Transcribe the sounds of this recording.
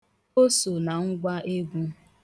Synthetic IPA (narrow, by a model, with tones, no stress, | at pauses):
o˦so˨na˨ŋ̩˦ɡʷa˦ʔe˦ɡʷu˦